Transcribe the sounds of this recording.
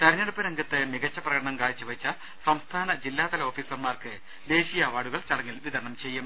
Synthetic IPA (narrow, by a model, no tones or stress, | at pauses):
t̪ɐɾɐɲːɐɽupːɨɾɐŋɡɐt̪ːɨmiɡɐt͡ɕːɐprɐɣɐɽɐɳɐmkaːɻit͡ɕːɨʋɐt͡ɕːɐ | sɐmst̪ʰaːnɐd͡ʑilːaːt̪ɐlɐo̞ːfiːsɐrmaːrkɨ | d̪e̞ːɕijaʋaːɽuɣɐɭt͡ɕɐɽɐŋːilʋid̪ɐrɳɐmt͡ɕe̞jːum